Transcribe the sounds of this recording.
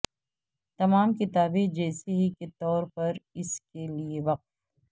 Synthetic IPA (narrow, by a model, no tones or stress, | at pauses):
t̪ɐmaːmkɪt̪aːbẽd͡ʒɛːseɦikɪt̪ɔːɾpɐɾɪskelieʋɐq̚t̪